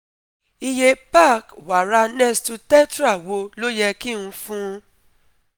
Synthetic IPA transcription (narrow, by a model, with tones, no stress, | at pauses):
i˧je˧pa˦˨kwa˨ɾa˧˦nɛ̃˦stu˧tɛ˦tɾa˦˨wo˧˦lo˦jɛ˧ki˦˨nũ˧fũ˦